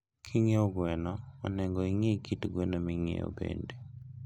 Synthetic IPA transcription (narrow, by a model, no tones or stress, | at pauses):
kʰiŋeɔɡwɛnaɔnɛŋɡɔiŋekitɡwɛnamiŋḛo̰bḛnde